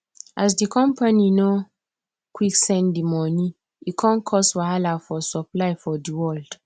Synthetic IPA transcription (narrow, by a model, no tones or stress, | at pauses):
ʔas̬dikʰɔ̃mpanino | kwiksɛ̃ndimɔni | ikʰãnkʰɔstwaalafɔsɔplajfɔdiwɔld̥